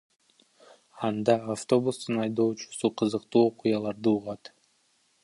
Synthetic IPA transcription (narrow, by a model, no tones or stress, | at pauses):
ɑnd̪ɑaft̪o̞bust̪ɯnɑjd̪o̞ːt͡ʃu̥suqʰɯzɯqt̪uːo̞qujɑlˠɑɾd̪uːʁɑt̪